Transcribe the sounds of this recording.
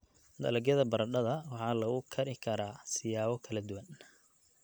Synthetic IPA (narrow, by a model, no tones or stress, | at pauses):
d̪ɐ̰lɐɡjɐðɐbɐɾɐɖɐðɐwɑħɑːlɐɣʊkʰɐɾɪkʰɐɾaːsɪjaːβɔkʰɐlɐd̪ʊwɐn